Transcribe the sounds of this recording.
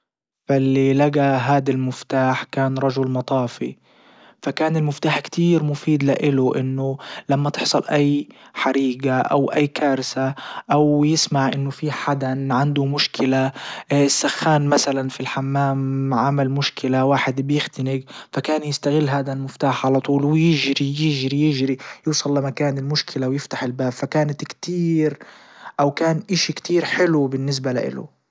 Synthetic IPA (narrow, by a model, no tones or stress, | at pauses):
falːilaɡaɦaːd̪almʊft̪aːħkaːnɾˤɑʒʊlmɑt̪ˤɑːfḭ | fakaːnɪlmʊft̪aːħkt̪ʰiːɾmʊfiːd̪laʔɪlʊʔɪnːʊlamːat̪ɪħsˤɑlʔajːħaɾiːɡaʔa̰wʔajːkaːɾsaʔawjɪsmaʕʔɪnːʊfiħad̪anʕand̪ʊmʊʃkɪlaɪsːaxːaːnmasalanfilħamːaːmʕamalmʊʃkɪlawaːħɪd̪bjɪxt̪ɪnɪɡfakaːnjɪst̪aɣɪlːɦaːd̪almɪft̪aːħʕalɑt̪ˤuːlwɪjɪʒɾijɪʒɾijɪʒɾijuːsˤɑlːamakaːnɪlmʊʃkʰɪlawjɪft̪aħɪlbaːbfakaːnat̪kt̪iːɾʔawkaːnʔaʃikt̪ʰiːɾħɪlubɪnːɪs̬balaʔɪ̰lʊ̰